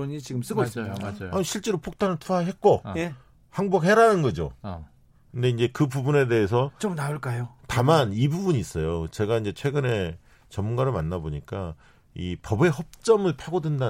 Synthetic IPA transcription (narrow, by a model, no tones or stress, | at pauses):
oɲit͡ɕiɡɯms͈ɯɡosoaaɲiɕʰiɭt͡ɕ͈e̞ɾopʰok̚tʰanɯɭtʰuaɦe̞t̚k͈oe | haŋbok̚heɾanɯnɡʌd͡ʑo̰ | kɯnde̞ind͡ʑe̞kɯbubune̞de̞ɦes̬ʰʌt͡ɕomnaoɭk͈ajotamanibubuɲiːs͈ʌjot͡ɕe̞ɡaind͡ʑe̞t͡ɕʰwe̞ɡɯne̞ | t͡ɕʌmːunɡaɾɯɭmanːaboɲik͈a | ipʌbe̞ɦʌp̚t͡ɕ͈ʌmɯɭpʰaɡodwenda